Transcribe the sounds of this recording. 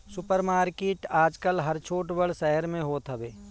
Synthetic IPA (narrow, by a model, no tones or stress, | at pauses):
sʊpəɾmaːɾkeːʈaːd͡ʒkəlɦɐɾt͡ʃʰoːʈbəɽsɛɦəɾmẽɦoːt̪ɦəbeː